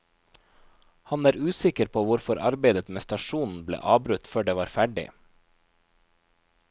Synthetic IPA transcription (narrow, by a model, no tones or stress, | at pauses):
hɑnæːɾʉːsɪkəɾpʰoːʋʊɾfɔɾʔɑ̰ɾbeɪd̪ət̪meːst̪ɑʃuːnn̩blḛːʔɑːbɾʉt̪føːɖeːʋɑːɾfæɖɪ̰